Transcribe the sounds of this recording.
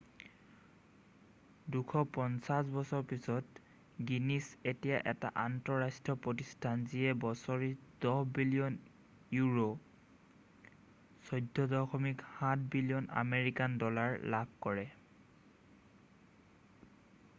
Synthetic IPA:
dukʰɔpɔnsas̬bɔsɔɹpisɔt | ɡinisetijaʔɛta̰ʔantɔɹastɹɔpɹɔtistʰanziɛbɔsɔɹidɔhbilijɔn | juɹo | sɔjdʱːɔdɔxɔmikhat̚ʰbilijɔna̰meɹikandɔlaɹlaɡ̚kɔɹɛ

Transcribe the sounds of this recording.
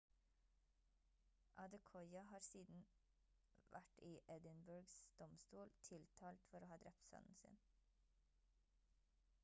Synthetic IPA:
ʔɑd̪əkʰɔʏɑhɑːɾsiːd̪n̩ | ʋʔæʈiːʔɛd̪ɪnbʉɹɡsd̪̥ɔmst̪uːlt̪ʰɪlt̪ʰɑːlt̪fɔɾoːhɑːd̪ɾɛpt̪sœ̰nn̩sɪ̰n

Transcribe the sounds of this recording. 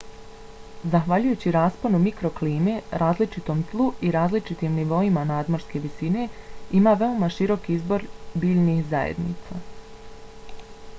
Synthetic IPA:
zaxʋaʎujuːt͡ɕiɾaːsponumikɾo̞kliːmeɾaːzlit͡ʃit̪o̞mzlˠuiɾaːzlit͡ʃit̪iːmniʋo̞imanaːd̪mo̞ɾske̞ʋisine̞imaːʋe̞omaʃiɾo̞kiizbo̞ɾbiːʎnixza̰jḛd̪nḭːt̪sa̰

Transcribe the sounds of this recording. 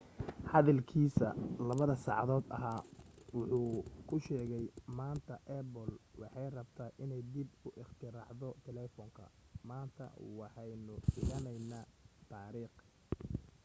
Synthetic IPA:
hɑðɐlkʰiːsɐ̰lɐβɐðɐsɑʕɑðɔːd̪ɐ̰ɦaːwʊħuːkʰʊʃɛːɣɛjmaːnt̪ʰɐʔɛbɔlwɑ̰ħɑjrɐbt̪ʰaːʔɪnɛjd̪ɪbʊʔɪχt̪ʰɪɾaːʕðɔt̪ʰɛlɛːfɔŋkʰɐ̰ | maːnt̪ʰɐ̰wɑħɑjnʊɖɪɣɐnɛjnaːt̪ʰaːɾiːχ

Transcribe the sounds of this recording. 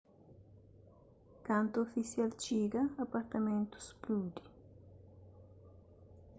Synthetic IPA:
kant̪uofisjalt͡ʃiɡɐːpaɾt̪amẽnt̪u̥splud̪i

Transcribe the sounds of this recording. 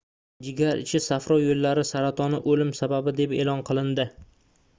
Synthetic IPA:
d͡ʒɪɡʲaɾɪ̰t͡ʃʰɪsafɾɒjolːaɾɪsaɾat̪ʰɒnɪʔolɪmsababɪd̪e̞pḛlɒnqʰɨlˠɪnd̪ɪ

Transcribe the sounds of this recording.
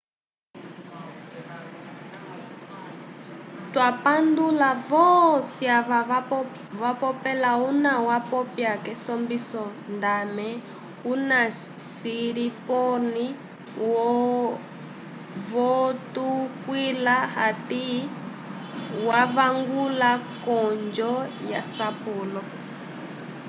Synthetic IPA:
twapandulavɔsia | vapɔpɛlaunawapɔpjakɛsɔmbisɔndamɛ | una | siɾipɔni | wɔ | vɔtukwilahati | wavaŋɡulakɔnd͡ʒɔja̰sapuːlɔ

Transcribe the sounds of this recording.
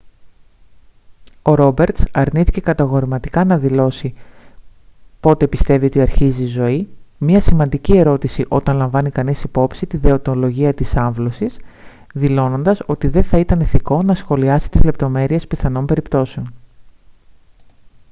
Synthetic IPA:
o̞ɾo̞be̞ɾt̪sɐɾniθice̞kɐt̪ɐɣo̞ɾimɐt̪i̥kɐnɐðilo̞si | po̞t̪e̞pist̪e̞vio̞t̪iɐɾçizizo̞imɲɐsimɐnd̪icie̞ɾo̞t̪isiʔo̞t̪ɐnlɐɱvɐnikɐnisipo̞psit̪iðe̞o̞t̪o̞lo̞ʝiɐt̪isɐɱvlo̞sis | ðilo̞no̞nd̪ɐso̞t̪iðe̞θɐit̪ɐniθiko̞nɐsxo̞liɐsi̥t̪izle̞p̚t̪o̞me̞ɾie̞spiθɐno̞mbe̞ɾipt̪o̞se̞o̞n

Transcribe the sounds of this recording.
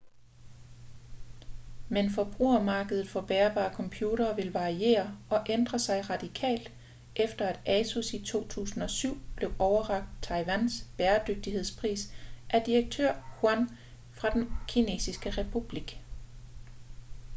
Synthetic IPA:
menfɒ̽b̥ʁṵːɐmɑ̈ːɡ̥əð̞ˠð̩ˠfɒ̽b̥eːɐb̥ɑ̰̈ːkʰɒ̽mpʰjuːɾɐːʋe̝lʋɑ̈ʁie̝̰ːɐɒ̽ʔend̥ʁɐsɑ̈ɪʁɑ̈d̥ikʰɛ̰ːld̥ | ʔefd̥ɐæd̥æsusit͡sʰo̝̰ːt͡sʰṵːsn̩ɒ̽syʊ̰b̥le̝ʊʔɒʊɐʁɑ̈ɡ̥̚d̥t͡sʰɑ̈ɪʋænsb̥eːɐd̥øɡ̥̚d̥ihe̝ð̞̰ˠspʰʁḭːsʔæɐd̥iʁeɡ̥̚t͡sʰøɐ̰huæn | fʁɑ̈d̥enkʰine̝̰ːsisɡ̥əʁɛpʰub̥liɡ̥

